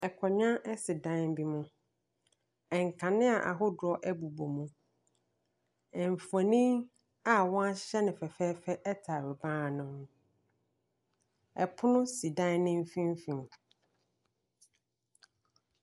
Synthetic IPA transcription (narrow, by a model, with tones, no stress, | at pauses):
ɛ˨kʰɔ˨ɲ˦ã˦ʔɛ˦sɪ˨dã˦bi˦mũ˨ | ɛ˨ŋ˨kʰã˨nɪ̃˦a˨ʔa̰˨ɦʊ˦dʊ˨ɾɔ˦ʔɛ˦bu˨bo˨mũ˨ | ɛ˨m˨fa˨nĩ˦ | a˨wɔ̃˦a˦ɕɛ˦nɪ̃˨fɛ˨fɛː˦fɛ˦ʔɛ˦tʰa˨ɾɛ˨bãː˦˨nʊ̃˨ñ˦˨ | ɛ˨pʰʊ˦nʊ̃˦si˨dã˦nɪ̃˦m˦fĩ˦m˦fĩ˨m